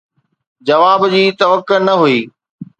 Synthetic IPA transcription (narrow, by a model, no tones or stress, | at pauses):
d͡ʑɐʋaːbd͡ʑiːt̪ɐʋəkːənɐɦuiː